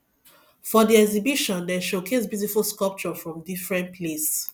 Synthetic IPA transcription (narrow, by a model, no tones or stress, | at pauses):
fɔdiɛɡzibiʃɔ̃ndɛʃokʰes̬bjutifulskɔlp̚t͡ʃɔfɹɔ̃mdifɹɛ̃npʰles